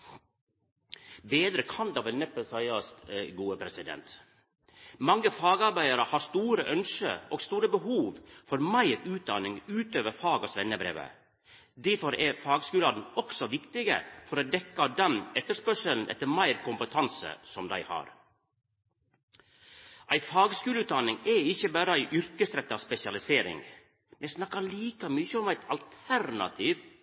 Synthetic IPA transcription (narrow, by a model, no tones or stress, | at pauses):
beːd̪ɾəkʰɑnd̪ɑʋɛlnɛpːəlsɑɪɑsɡuːəpʰɾɛsɪd̪ɛ̰nt̪ | mɑŋːəfɑːɡɑɾbæɪɑɾəhɑːst̪uːɾəʔœnʃə̰oːɡst̪uːɾəbəhuːʋfɔɾmæɪɾʉːt̪̚d̪ɑnɪŋʉːt̪øːʋəɾfɑːɡɑsʋɛnəbɾḛːʋə̰ | d̪æɾfɔɾɛfɑːɡskʉːlɑd̪n̩ɔksɔʋɪkt̪ɪɡə̰fɔɾoːd̪ɛkːɑd̪ɛnɛt̪ːəʂpœʂəln̩ʔɛ̰t̪ːəɾmæɪɾkʊmpət̪ʰɑnsə̰sɔmd̪æ̰ɪhɑ̰ːɾ | ʔæɪfɑːɡskʉːləʉːt̪̚d̪ɑnɪŋɛɪçəbæːɾəæɪʔʏɾkəsɾɛt̪ːəɑːʋspɛsɪɑlɪseːɾɪ̰ŋ | mɛsnɑkːɑliːkɑmyːçəɔmæɪt̪ʰɑlt̪ʰæɾnɑ̰t̪ʰiːʋ